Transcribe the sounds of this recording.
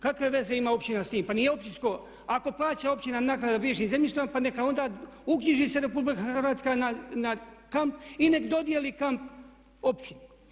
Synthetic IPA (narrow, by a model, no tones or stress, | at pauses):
kakʋe̞ʋe̞ze̞imao̞pt͡ɕinast̪iːmpanije̞o̞pt͡ʃinsko̞ | ako̞plˠaːt͡ɕao̞pt͡ɕinanaːknad̪abɾieʃimzemjʲist̪ojmpanekao̞nd̪aːukɲiʒise̞ɾe̞publikaxɾʋaːt̪skananakampine̞kd̪o̞d̪ijelikamp̚ | o̞pt͡ɕinu